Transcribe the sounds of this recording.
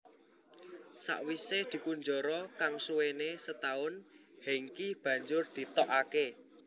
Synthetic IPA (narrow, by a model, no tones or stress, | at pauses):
sa̰ʔwised̪̥i̤kuɲd͡ʒɔɾɔkaŋsuwenesət̪aʊn | heŋkib̥ä̤ɲd͡ʒʊrd̪̥i̤t̪ɔʔake